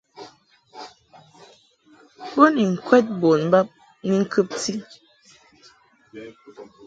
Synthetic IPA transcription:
bo˦ni˨ŋ̩˨kwɛ˦t̚bo˨nm̩˦ba˦p̚ | ni˦ŋ̩˦kʰə˦p̚ti˦

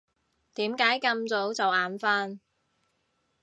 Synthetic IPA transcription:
t̪iː˨˥mkaː˨˥jkɐ˧mt͡so˨˥wt͡sɐ˨waː˨˥nfaː˥n

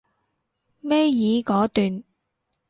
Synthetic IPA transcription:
mɛː˥jiː˨˧kɔː˨˥t̪yː˨n

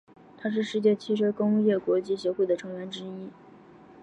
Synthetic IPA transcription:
t̪ʰa˥ʂ̬ɻ̩˥˧ʂɻ̩˥˧t͡ɕjɛ˥˩t͡ɕʰi˥˩ʈ͡ʂʰɤ˥kʊ˥ŋu˥˧jɛ˥˩kwɔ˧˥t͡ɕi˥ɕjɛ˧˥xwe˥˩ɪd̪ə˩ʈ͡ʂʰɤ˧˥ŋɥɛ˧˥nʈ͡ʂɻ̩˥i˥

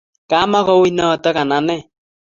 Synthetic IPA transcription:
ka˨˦ma˦kɔ˦wi˦nɔ˦˨tɔ˦ka˨na˨nɛ˦˨

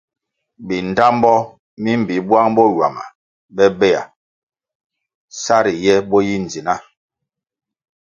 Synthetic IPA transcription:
bi˨n̩˨da˦m˦bɔ˦ | mi˦m̩˨bi˨˦bwa˦ŋbɔ˦ɥwa̰˨ma̰˨ | bɛ˦bɛ˦ja̰˨ | sa˦ɾi˨jɛ˦bɔ˦ji˦n̩˨d͡zi˨na˦

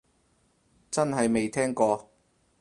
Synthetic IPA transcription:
t͡sɐ˥nɦɐ˨jme˨jt̪ʰɛː˥ŋkɔː˧

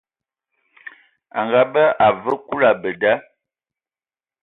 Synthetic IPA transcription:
a̰˨ŋɡa˨bə˦a˨və˦ku˦la˨bə˨da˦

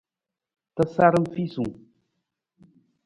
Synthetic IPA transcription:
tə˦sa˦ɾə˦m̩˦fi˦su˨

